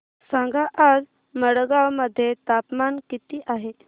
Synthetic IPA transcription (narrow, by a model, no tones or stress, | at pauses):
sãŋɡaʔad͡z | məɽɡawməd̪ʱːjet̪apmankit̪iːʔaɦe